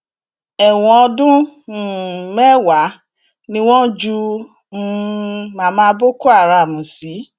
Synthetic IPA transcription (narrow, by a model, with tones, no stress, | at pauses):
ɛ˨w̃ɔ̃˧ɔ˧dũ˦˨ | mɛ˦wa˨˦ | nĩ˧w̃ɔ̃˦d͡ʒu˦˧˦ | mã˨˦mãː˧˦bo˦ko˦a˦˨ɾa˧˨mũ˨si˨˦